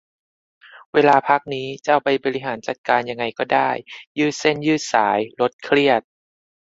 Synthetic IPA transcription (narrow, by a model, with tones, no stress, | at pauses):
weː˧laː˧pʰa˦˥k̚niː˦˥t͡ɕa˥˩wpa˧jbɔː˧ɾi˦˥ɦaː˩˦nt͡ɕa˨˩t̪̚kaː˧nja˧ŋːa˧jkɔː˥˩daː˥˩jjɯː˥˩t̪̚se˥˩njɯː˥˩t̪̚saː˩˦jlo˦˥t̪̚kʰɾi˥˩ət̪̚